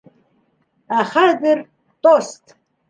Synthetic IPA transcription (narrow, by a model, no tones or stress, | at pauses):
aχad̪ɨr | t̪ʼost̪ʰʼ